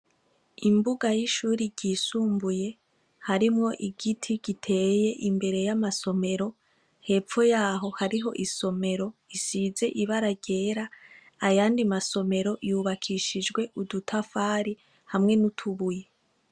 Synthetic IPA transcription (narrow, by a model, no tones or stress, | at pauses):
imbuɡajiʃuːɾiɟiːsuːmbuje̞ | haɾimŋo̞ʔiɡitʰiɡ̥itʰe̞ːje̞ʔimbe̞ɾe̞jamaso̞me̞ɾo̞ | he̞ːp͡fo̞jaːɦo̞haɾiɦo̞̰ʔiso̞me̞ɾo̞isize̞ʔiβaɾaɟe̞ːɾa | ajaːndimaso̞me̞ɾo̞ʔjuβakʰiʃid͡ʒɡwe̞ʔudutʰafaːɾi | hamŋe̞nutʰuβuje